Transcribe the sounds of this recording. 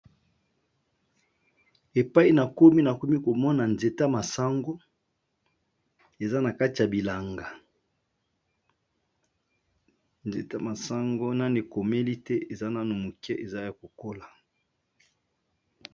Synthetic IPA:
e˨pa˦i˦na˨ko˦mi˦na˨ko˦mi˦ko˨mɔ˦na˨nze˨ta˦ma˨sa˦ŋɡo˦ | e˨za˦na˨ka˦ti˨ja˨bi˨la˨ŋɡa˨ | nzḛ˨ta˦ma˨sa˦ŋɡo˦na˦ne˨ko˨me˦li˦tɛ˦e˨za˦na˦no˨mu˨kɛ˦ʔe˨za˦ja˨ko˨ko˦la˨

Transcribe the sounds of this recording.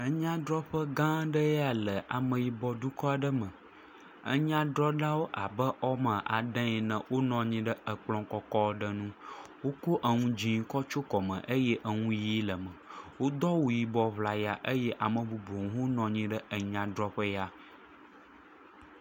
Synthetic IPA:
ə˦ɲã˦ɖɾɔ˦ɸə˦ɡã˦ɖə˦ja˨lə˨ʔa˨mə̃˨ji˨bɔ˨du˦kɔ˦a˨ɖə˦mə̃˨ | ə̰˦ɲã˦ɖɾɔ˦ɖa˦wo˦ʔa˨bə˦ʔɔ˦mə̃˨ʔa˨ɖə̃˦ɛ˨nə̃˨wo˦nɔ̃˨ɲĩ˦ɖə˦ə˨k͡plɔ̃˨kɔ˦kɔ˦ɖə˦nũ˦wo˦ko˦ʔə˨ŋũ˦d͡ʑĩ˦ŋ˨˦kɔ˦t͡ʃo˦kɔ˨mə̰̃˨ʔə˦jɛ˦ʔə˨ŋũ˦ji˦lə˨mə̃˨wo˦d̪ɔ˦wo˨ji˨bɔ˨βla˨ja˨ʔə˦jɛ˦ʔa˨mə̃˨bu˨bo˨ŋ̃˦ɦo˦nɔ̃˨ɲĩ˦ɖə˦ə˨ɲã˨ɖɾɔ˦ɸə˦ja˦

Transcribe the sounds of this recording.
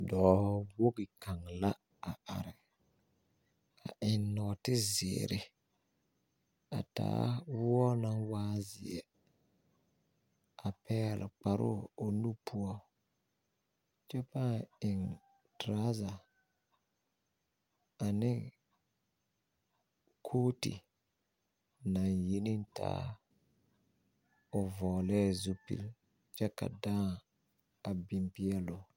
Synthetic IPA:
dɔː˨˦hɔ˦bo˦ɡɪ˨kʰa˨ŋla˦ | a˨ʔa˨ɾɪ˨ | ka̰˨ʔɪ˨nːɔ˨tɪ˦zɪ̰˨ɾɪ˦ | a̰˨ta̰ː˨˦wʊ˦ɔ˦na˦ŋwaː˦zɪ̰˨ɛ̰˨ | a˨pɛ˦˨lɪ̰˨k͡pa˨ɾʔʊ̰˦o˨nu˦pʰu˦ɔ˦ | t͡ʃɛ˦paː˦˨ɪ˨ŋ | tɾa˦za˨ | a˨nɪ˦ | kʰoː˦tḭ˨ | na˨nji˦ni˦nta̰ː˦ | ʊ˨vɔː˨lɛː˦zu˦pḭ˦˨l | t͡ʃɛ˦ka̰˨dãː˦ | a˨bɪ˨mpi˦ɛ˦lo˨

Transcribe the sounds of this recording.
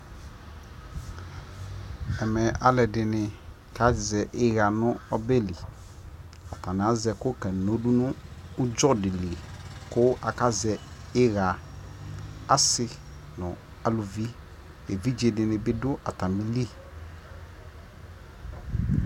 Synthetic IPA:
ɛ˨mɛ˨a˨lɛ˨dɪ˨nɪ˨ | ka˦˨zɛ˨ʔɪ˦ɣa˨nʊ̃˦ɔ˦be˦˨li˨ | a˨tã˨nɪ˨a˦zɛ˨kʊ˦kɛ˨no˨du˦nʊ̃ː˦d͡ʒɔ˦dɪ˨li˨kʊ˦a˨ka˦zɛ˨ | ɪ˦ɣa˨ | a˦sɪ˦ | nʊ̃˨ | a˨lu˨vi˦ | e˨vi˦d͡ʒe˨dɪ˨nɪ̃˨bɪ˦dʊ˦ʔa̰˨ta˨mi˦li˦

